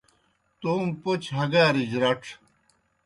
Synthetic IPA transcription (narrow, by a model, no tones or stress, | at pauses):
t̪uːmpot͡ɕɦɐɡaːɾid͡ʑɾɐʈ͡ʂʰ